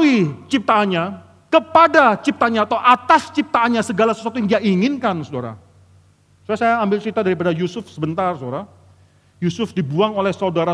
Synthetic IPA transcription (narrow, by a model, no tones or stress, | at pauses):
wit͡ʃip̚t̪aːnɲa | kəpadat͡ʃip̚t̪aɲaːt̪awʔat̪ast͡ʃip̚t̪aːnɲasəɡalasə̥suwat̪ujaŋdiaiŋɪnkansodaɾa̰ | sajasajaːmbɪlt͡ʃit̪adaɾip̬adajusʊfsəbənt̪arsodaɾa | jusʊfdibuaŋolɛhsaudaɾa